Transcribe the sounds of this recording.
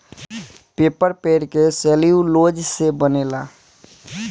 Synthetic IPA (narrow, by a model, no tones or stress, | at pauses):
peːpəɾpeːɾkeseːliuloːd͡ʒsebəneːlaː